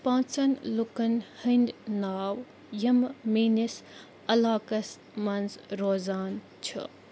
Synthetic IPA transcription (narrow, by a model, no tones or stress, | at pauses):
pãːt͡sɐnlukɐnhind̪naːw | jɐmmiːnis | ɐlaːkɐs | mɐnzɾoːzaːn | t͡ʃʰṵ